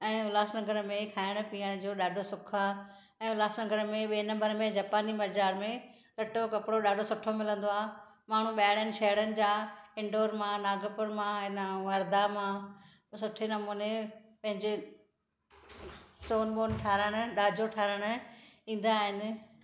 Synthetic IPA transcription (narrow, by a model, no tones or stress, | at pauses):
ɛ̃ːʊlaːsnɐɡəɾmẽkʰaːɪɽ̃ʊpiːəɽ̃d͡ʑoːɗaːɖʱosʊkʰa | ɛ̃ːʊlaːsnɐɡəɾmẽɓeːnɐ̃mbəɾmẽd͡ʑaːpaːnimɐd͡ʑaːɾmẽ | lɐʈokɐpɽoɗaːɖʱosʊʈʰomɪlə̃nd̪oaːɦ | maːɳ̤ũɓaːɪɽjənɪ̆ʃɐɦɽənɪ̆d͡ʑaːɪ̃ɳɖoːɾmãnaːɡəpʊɾmãɪnʋɐɾd̪amã | sʊʈʰenɐmuːnepɐ̃ɦɪ̃ɲd͡ʑe | soːnɓoːnʈʰaːɾəɽ̃ɗaːd͡ʑoʈʰaːɾəɽ̃ĩːn̆d̪aːɦɪnɪ̆